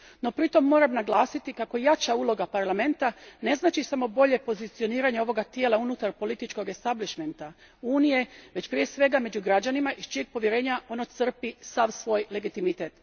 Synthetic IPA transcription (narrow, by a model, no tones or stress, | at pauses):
no̞pɾit̪o̞mːo̞ːɾamnaɡlˠaːsit̪ikako̞jat͡ʃauːlˠo̞ɡapaɾlame̞nt̪ane̞znaːt͡ʃisamo̞bo̞ʎe̞po̞zit̪sijo̞niːɾaɲeo̞ʋo̞ɡat̪jeːlaunut̪aɾpo̞lit̪it͡ʃko̞ɡe̞st̪abliʃme̞nt̪a | uːnije̞ʋe̞t͡ɕpɾije̞sʋe̞ɡame̞d͡ʑuɡɾad͡ʑanimaʔist͡ʃijeɡ̚po̞ʋje̞ɾe̞ːɲaʔo̞not̪sr̩pisaʋsʋo̞ːjle̞ɡit̪imit̪eːt̪